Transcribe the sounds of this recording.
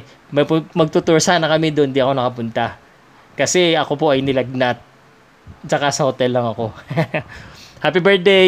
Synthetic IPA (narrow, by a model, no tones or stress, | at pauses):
mɐpmɐɡ̚t̪ut̪ʊɹsaːnɐkɐmɛd̪oʔond̪iɐko̞nɐkɐpʊnt̪ɐ | kɐsɛɐko̞po̞ʔɐjnɪlɐɡ̚nat̪̚ | t͡ʃɐkasɐhot̪ɛlːɐŋɐko̞ | hapibɛɹt̪̚d̪ɛ